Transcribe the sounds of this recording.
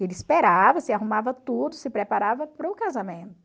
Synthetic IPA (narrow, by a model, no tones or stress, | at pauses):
elɪispeɾavɐsɪaɦumavɐt̪ud̪ʊsɪpɾepaɾavɐpɾʊkazamẽnt̪ʊ